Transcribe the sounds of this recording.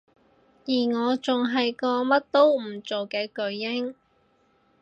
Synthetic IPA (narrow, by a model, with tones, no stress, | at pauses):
jiː˨˩ŋɔː˨˧t͡sʊ˨ŋɦɐ˨jkɔː˧mɐ˥t̚t̪o˥wm̩˨˩t͡ʃo˨wkɛː˧kɵ˧ɥːɪ˥ŋ